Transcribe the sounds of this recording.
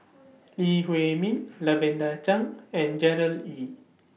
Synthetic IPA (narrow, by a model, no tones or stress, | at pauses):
lihwemĩnlavɛ̃ndat͡ʃãŋɛ̃nd͡ʒɛɾəli